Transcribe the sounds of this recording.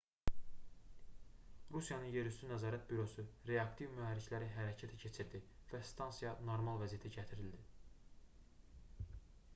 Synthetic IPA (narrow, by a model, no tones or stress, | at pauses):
ɾusjɑnɯnje̞ɾyst̪ynæzɑːɾæt̪̚byɾo̞suɾe̞ɑkt̪ʰivmyɦæɾːiclæɾiɦæɾæcʰæt̪ʰæcʰe̞t͡ʃʰiɾd̪ivæst̪ɑnsijɑnoɾmɑlˠvæzijæt̪ʰiɟæt̪ʰiɾild̪i